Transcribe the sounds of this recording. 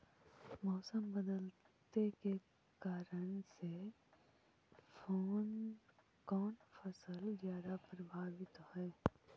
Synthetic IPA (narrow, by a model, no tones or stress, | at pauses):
mɔːsəmbəd̪əl | t̪eke | kaːɾənse | fʰoːn | kɔːnfʰəsəlzjaːd̪apɾəbʱaːwɪt̪hɛː